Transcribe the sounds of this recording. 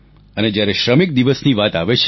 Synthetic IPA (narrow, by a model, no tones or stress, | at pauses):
əned͡ʒjaɾeʃɾəmik̚d̪iʋəsniʋat̪aʋet͡ʃʰ